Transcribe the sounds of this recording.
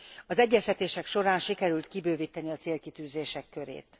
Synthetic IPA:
ɒzɛɟːɛst̪ɛt̪eːʃɛkʃo̞ɾaːnʃikɛɾylt̪kibøːvit̪ːɛniɒt̪seːlkit̪yːzeːʃɛkːø̞ɾḛːt̪

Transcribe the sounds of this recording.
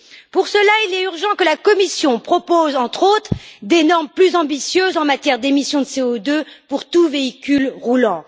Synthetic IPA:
puʁsəlailɛyʁʒɑ̃kəlakɔmisjɔ̃pχɔpozɑ̃t̪χot̪χd̪enɔʁmplyzɑ̃bisjøzɑ̃mat̪jɛʁd̪emisjɔ̃d̪əseod̪øpuʁt̪uveikʲylʁulɑ̃

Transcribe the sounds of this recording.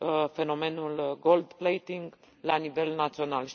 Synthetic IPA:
fe̞no̞me̞nulɡo̞ld̪plejt̪iŋɡ | lanive̞lnat̪sio̞nalʃ

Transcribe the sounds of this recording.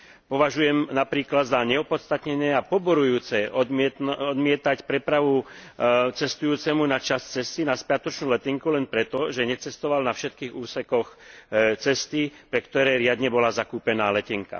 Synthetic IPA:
pɔʋaʒujɛmnapɾiːklad̪zaɲɛɔpɔt̪st̪at̪ɲɛɲɛːapɔbɔɾujuːt͡sɛɔɛɔd̪mɪɛt̪acpɾɛpɾaʋu | t͡sɛst̪ujuːt͡sɛmunat͡ʃast͡sɛst̪inaspɪat̪ɔt͡ʃnuːlɛt̪iŋkulɛnpɾɛt̪ɔʒɛɲɛt͡sɛst̪ɔʋalnafʃɛt̪̚kiːɣuːsɛkɔxt͡sɛst̪ipɾɛkt̪ɔɾɛːɾɪad̪ɲɛbɔlazakuːpɛnaːlɛcɛŋka̰

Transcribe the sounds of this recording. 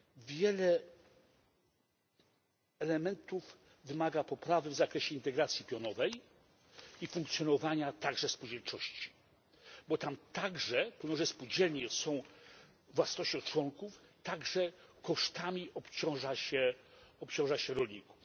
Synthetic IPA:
vʲjɛlɛ | ɛlɛmɛnt̪uv | vɘmaɡapɔpɾavɘvzakɾɛɕɛint̪ɛɡɾat̪sʲjipʲjɔnɔvɛj | ifuŋkt̪sʲjɔnɔvaɲat̪aɡʐɛspud͡ʑɛlt͡ʂɔɕt͡ɕi̥ | bɔt̪amt̪aɡʐɛpɛwnɔʐɛspud͡ʑɛlɲɛsɔ̃w̃ | vwasnɔɕt͡ɕɔ̃w̃t͡ʂwɔŋkuft̪aɡʐɛkɔʂt̪amʲiʔɔpt͡ɕɔ̃w̃ʐaɕɛɔpt͡ɕɔ̃w̃ʐaɕɛɾɔlʲɲiku̥f

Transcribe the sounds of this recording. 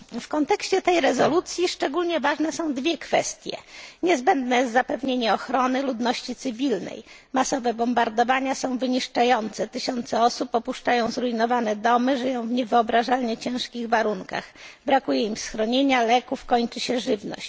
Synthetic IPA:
fkɔnt̪ɛkɕt͡ɕɛt̪ɛjɾɛzɔlut̪sʲjiʂt͡ʂɛɡulɲɛvaʐnɛsɔ̃w̃d̪vʲjɛkfɛst̪ʲjɛ̰ɲɛzbɛnd̪nɛjɛszapɛvɲeɲɛɔxɾɔnɘlud̪nɔɕt͡ɕit̪sɘvʲilnɛ̰j | masɔvɛbɔmbaɾd̪ɔvaɲasɔ̃w̃vɘɲiʂt͡ʂajɔnt̪sɛt̪ɘɕɔnt̪sɛɔsupɔpuʂt͡ʂajɔ̃w̃zɾuinɔvanɛd̪ɔmɘʐɘjɔ̃w̃vɲɛvɘɔbɾaʐalɲɛt͡ɕɛ̃w̃ʂkʲiɣvaɾuŋka̰xbɾakujɛimsxɾɔɲeɲalɛkufkɔɲt͡ʂɘɕɛʐɘvnɔ̰ɕt͡ɕ

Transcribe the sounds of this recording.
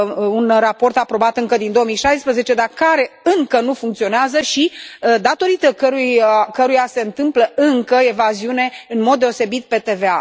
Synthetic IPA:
unrapo̞rt̪apɾo̞bat̪ɨŋkəd̪ind̪ooəmijʃajspɾəze̞t͡ʃe̞d̪arkaɾe̞ɨŋkənufuŋkt̪sio̞neazəʃid̪at̪o̞ɾit̪əkəɾujakəɾujase̞ɨnt̪ɨmpləɨŋkəe̞vaziune̞ɨnmo̞d̪̚ːe̞o̞se̞bit̪̚pe̞t̪e̞ve̞a̰

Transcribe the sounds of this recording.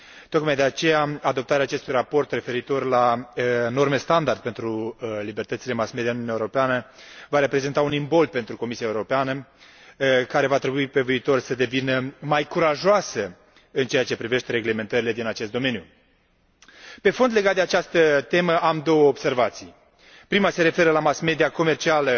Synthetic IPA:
t̪o̞kmajd̪e̞at͡ʃe̞jaad̪o̞p̚t̪aɾeaːt͡ʃe̞st̪ujrapo̞rt̪re̞fe̞ɾit̪o̞rlano̞rme̞st̪and̪ard̪̚ʲpe̞nt̪ɾulibe̞rt̪ət̪sile̞masmed̪ijanunjewoɾo̞peanəvaɾe̞pɾe̞ze̞nt̪aunimbo̞ld̪̚pe̞nt̪ɾuko̞misiaeuɾo̞peanə | kaɾe̞vat̪ɾe̞buipe̞viːt̪o̞rsəd̪e̞vinəmajkuɾaʒoasə | ɨnt͡ʃe̞jat͡ʃe̞pɾive̞ʃt̪e̞ɾe̞ɡle̞me̞nt̪əɾile̞d̪inat͡ʃest̪d̪ome̞nju | pe̞fo̞nd̪le̞ɡat̪̚d̪eat͡ʃast̪ət̪e̞məʔamd̪o̞wəobse̞rvat̪sij | pɾimase̞ɾe̞fe̞ɾəlamasme̞d̪iako̞me̞rt͡ʃialə

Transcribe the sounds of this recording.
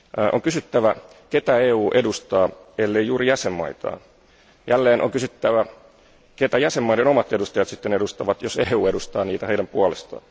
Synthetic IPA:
ʔoŋkysyt̪ːæʋæket̪æeːuːʔedust̪ɑː | elːejjuːɾijæsemːɑ̰it̪ɑ̰ː | jælːeːnʔo̰ŋkysyt̪ːæʋæ | ket̪æjæsemːɑideno̞mɑt̪edust̪ɑjɑt̪sit̪ːenedust̪ɑʋɑt̪joseːuːedust̪ɑːniːt̪æheidæmpuɑlest̪ɑ̰ː

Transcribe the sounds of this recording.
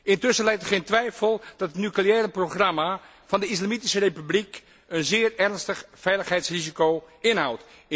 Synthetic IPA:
ɪntʏsəlɛjktəχejntʋɛjfəlˠd̥ɑtətnykliɛːɾəproχrama | v̥ɑndəislamitisərepyblik | ənzɪːrɛrnstəχfɛjləχɦɛjtsrizikowɪnɦawt

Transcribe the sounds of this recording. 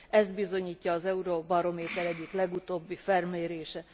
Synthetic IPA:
ɛzd̪̚bizo̞ɲiːcːɒːzɛuɾobɒɾo̞meːt̪ɛlɛɟːiklɛɡut̪oːbːifɛrmeːɾeːʃɛ

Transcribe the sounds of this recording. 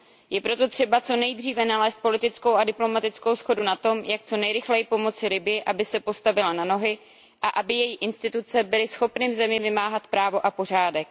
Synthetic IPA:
jɛpɾo̞t̪o̞t̪r̝̥ɛbat͡so̞nɛjd̪riːvɛnalɛːst̪̚po̞lɪt̪ɪt͡skowʔadɪplo̞mat̪ɪt͡sko̞wsxo̞dunat̪o̞mjak̚t͡so̞nɛjɾɪxlɛjɪpo̞mo̞t͡sɪlɪbɪjɪʔabɪsɛpo̞st̪avɪlanano̞ɦɪ | ʔaʔabɪjɛjiʔɪnst̪ɪt̪ut͡sɛbɪlɪsxo̞pnɪvzɛmɪvɪmaːɦat̪pɾaːvo̞ʔapo̞r̝aːdɛk̚

